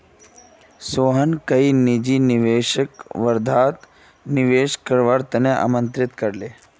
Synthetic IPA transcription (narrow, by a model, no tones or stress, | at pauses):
soːɦənkɐinid͡ʒiniʋeːʃəkʋəɾd̪ʱaːt̪ | nɪʋeːʃkəɾʋaɾt̪ɐneʔa̰mə̃nt̪ɾɪt̪kəɾleː